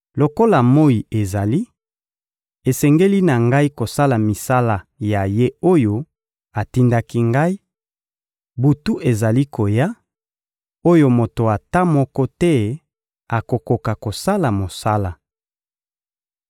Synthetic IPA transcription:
lo˨ko˦la˨mo˦i˨e˨za˨li˦ | e˨sɛ˨ŋɡe˦li˦na˨ŋɡa˦i˦ko˨sa˦la˨mi˨sa˦la˨ja˨je˦o˦jo˦ | a˨ti˦nda˦ki˦ŋɡa˦i˦ | bu˨tu˦ʔe˨za˨li˦ko˨ja˦ | o˦jo˦mo˨to˨a˨ta˦mɔ˦kɔ˦tɛ˦ | a˨ko˨ko˨ka˨ko˨sa˦la˨mo˨sa˦la˨

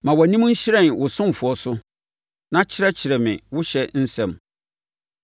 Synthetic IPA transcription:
mã˨wɔ˨nĩ˦m̃˦ɲ̩˦ɕɪ˦ɾɛ̃˦˨nwʊ˨sʊ̃˦m˨fʊ˨ɔ˨sʊ˦ | nã˦t͡ɕʰɪ˦ɾɛ˦t͡ɕʰɪ˨ɾɛ˨mɪ̰̃˨wʊ˦ɕɛ˦n̩˦sɛ̰̃˨m

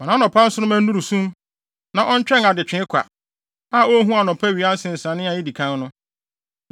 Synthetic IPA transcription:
mã˨nã˨˦ɔ̃˨pʰã˦n̩˦sʊ˦ʊ̃˦mæ̃˦n˦ũ˦ɾu˨sũ˦m | nã˨ʔɔ˦n˦t͡ɕᶣɛ˦ŋa˨dɪ˨t͡ɕᶣɪ̃˨˦ɪ˦kʷʰa̰˨ | a˦˨o˦ɦũ˦a˨nɔ̃˨pʰæ˦ɥi˨a˦n̩˦sɪ̃˨n̩˨sã˨nɪ̃˦a˨jɪ˦di˨kʰã˦nnʊ̃˦

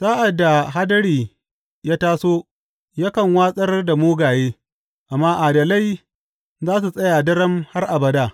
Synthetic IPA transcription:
z̥aː˦ʔa˨dːa˨ɦa˦dɐ˦ɽiː˨ | jaː˦taː˦soː˦ | ja˦kɐ˨ŋwaː˦sʼɐ˦rda˨moː˦ɡaː˨jeː˦ | ʔa˨mːaː˦ʔa˨dɐ˨la˦j | zaː˦s̬u˨sʼɐ˦jaː˨dɐ˦ɽɐ˦mha˦rʔa˨bɐ˨˦daː˦˨

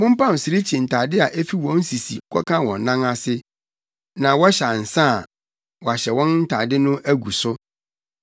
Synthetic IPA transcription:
mʊ̃˦m̩˦pã˦˨m̩˨sɪ˨ɾi˦t͡ɕʰi˨n̩˨tʰa˨dɪ˦a˨ʔɛ˦fi˦wɔ̃˦n̩˦si˨sḭ˨ŋ̩˦kʰʷɔ̰˦kʰã˦wɔ̰̃˨nː˨ã˦ŋa˦sɪ˦ | nã˨wɔ˦ɕa˨n̩˨sã˦˨ | wɔ˨a˨ɕɛ˨wɔ̃˦nn̩˦tʰa˨dɪ˦nʊ̃˦ʔæ˦ɡu˨sʊ˦

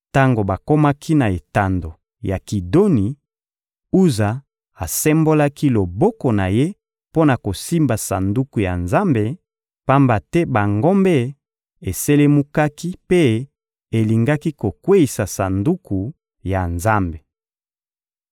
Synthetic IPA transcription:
ta˦ŋɡo˨ba˨ko˦ma˦kʰi˦na˨e˨ta˨ndo˨ | ja˨ki˨do˦ni˨ | u˦za˨ | a˨sɛ˦mbo˦la˦ki˦lo˨bɔ˦kɔ˨na˨je˦ | po˦na˨ko˨si˦mba˨sa˨ndu˦ku˨ja̰˨nza˦mbe˨ | pa˦mba˨tɛ˦ba˨ŋɡo˦mbɛ˦ | e˨se˦le˦mu˦ka˦ki˦pe˦ | e˨li˨ŋɡa˦ki˦ko˨kwe˦i˨sa˨sa˨ndu˦ku˨ | ja˨nza˦mbe˨

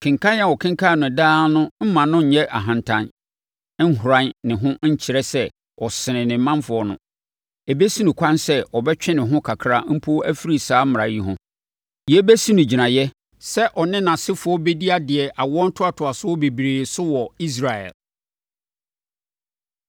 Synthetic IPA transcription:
kʰɪ̃˨ŋ˨kʰa˦n˦a˨wɔ˨kʰɪ̃˦ŋ˦kʰa˦˨nʊ̃˨daː˦nʊ̃˦m̩˦mã˨nʊ̃˦ɲ̩˨ɲɛ˦ʔa̰˨ɦã˨ntʰã˦n˦ | n̩˦ɦʊ˨ɾa˦nnɪ̃˨ɦʊ̃˦ɲ̩˦t͡ɕʰɪ˨ɾɛ˦sɛ˦ | ɔ˨sɪ̃˨nɪ̃˨nɪ̃˨m̩˦mã˦nfʊ˨˦ɔ˦nʊ̰̃˦ | ɛ˨bɛ˦si˦nʊ̃˨kʷʰã˦nsɛ˦ɔ˨bɛ˦t͡ɕᶣɪ̃˦nɪ̃˨ɦʊ̃˦kʰa˨kʰɾa˦m̩˦pʰo˦æ˦fi˦ɾi˨saː˦m̩˦m˨ɾa˨ji˦ɦʊ̰̃˦ | jɛ˦bɛ˦si˦nʊ̃˨d͡ʑi˨nã˨jɛ˦ | sɛ˦ʔɔ˨nɪ̃˦nã˨sɪ˦fʊ˨ɔ˦bɛ˦di˦a˦dɪ˨ɛ˨ʔa˨wɔ˦n̩˦tʰʊ˦a˨tʰʊ˨a˨sʊ˦ɔ˦be˨bɾeː˨sʊ˦wɔ˨i˦s̬ɾa˨ɛ̰˨l

